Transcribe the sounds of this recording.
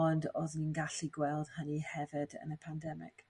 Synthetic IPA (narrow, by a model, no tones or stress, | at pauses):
ɔndɔ̰ðninɡaɬiɡwɛlˠd̥hənihɛvɪdə̰nəpʰandɛmɪ̰k